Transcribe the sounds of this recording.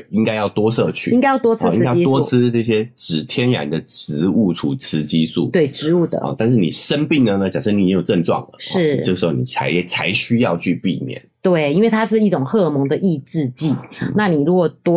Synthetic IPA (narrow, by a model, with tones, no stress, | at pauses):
i˥ŋka˥ɪjɑ˥˩ʊt̪wɔ˥sɤ˥˧t͡ɕʰy̰˥ĩ˧˥ŋka˥ɪjɑ˥˩t̪wɔ˥t͡sʰi˥ŋ˥a˥ji˧˥tɔ˥˩t͡s̩ʰ˥ʈ͡ʂɤ˥˩ɕ̬jɛ˥ʈ͡ʂɻ̩˨˩t̪ʰjɛ˥nɻa̰˧˥nd̪ə˨ʈ͡ʂ̩˧˥u˥˩tʰu˨˥t͡s̩ʰ˧˥t͡ɕi˦sṵ˥˩t̪we˥˩ɪʈ͡ʂɻ̩˧˦u˥˩d̪ə̰˩˧˩t̪a˥˧nʂ̬̩˥˩nḭ˨˩ʂə˦˥npi˥˩ŋnə˩nə˦t͡ɕja˨˩ŋʂə˥˩ni˦˥˨t͡ɕĩ˦˥jo˨˩ʊʈ͡ʂə˥˧ŋʈ͡ʂwɑ̰˥˩ŋlə̰˩ʂɻ̩˥˩ɤ˥˩ə˩ʂ̩˧˥xo˧˩ni˨˩t͡sʰa˧˥ɪɛ˦t͡sʰa˧˥ɪɕy˥jɑ˥˧ʊt͡ɕʰy˥˧pḭ˥˧mjɛ̰˨˩nt̪we˥˩ɪi˥nwe˥˩ɪt̪ʰa˥ʂ̬ɻ̩˥˧i˥˩ʈ͡ʂʊ˨˩ŋxɤ˥˩mɤ˧˦ŋd̪ə˨ʔi˥˧ʈ͡ʂɻ̩˥˧t͡ɕi˥˨˩na˥˨ni˨˩ɻu˧˥kwɔ˨˩t̪wɔ˥